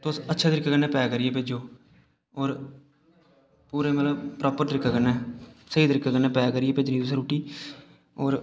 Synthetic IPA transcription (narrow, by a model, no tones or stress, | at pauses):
t̪osətːʃʰaːt̪əɾɪkːaːkənẽːpɛːkəɾɪjeːp̬eːd͡ʒoː | ɔːɾ | puːɾẽːmət̪ləbpɾaːpəɾt̪ɾɪkːaːkənːɛːsəiːt̪əɾɪkːaːkənːeːpɛːkəɾɪjeːpeːd͡ʒniːt̪ʊsaːɾuːʈːiː | ɔːɾ